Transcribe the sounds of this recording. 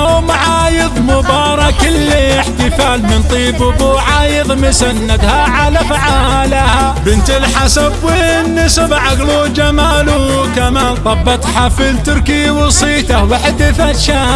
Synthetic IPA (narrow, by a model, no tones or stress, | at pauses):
awmʕaːjɪðˤmʊbɑːɾˤɑkɪlːɪħt̪ɪfaːlmɪnt̪ˤiːbʊbuʕaːjɨðˤmʊsanːad̪haʕalafaʕaː | laha | bɪnt̪ɪlħasabwɪnːɪsabʕaɣlud͡ʒamaːlu | kamaːnt̪ˤɑbːɑt̪ˤħafilt̪ʊɾkiwɑsˤiːt̪ɑwɪħd̪ɪfaʃa